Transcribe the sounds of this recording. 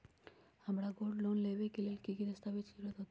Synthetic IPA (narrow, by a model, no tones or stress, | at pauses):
amɾaɡoɖlonlebekilelkikit̪est̪ʰabit͡ʃʰiɾed̪ot̪ː